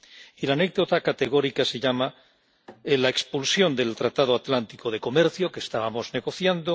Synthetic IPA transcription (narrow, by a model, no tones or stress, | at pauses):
ilane̞k̚ðo̞t̪akat̪e̞ɣ̞o̞ɾikase̞ʎama | elaekspulsjo̞nd̪e̞lt̪ɾat̪að̞oat̪lant̪ikoð̞e̞ko̞me̞ɾθjo̞keːst̪aβamo̞zne̞ɣo̞θjand̪o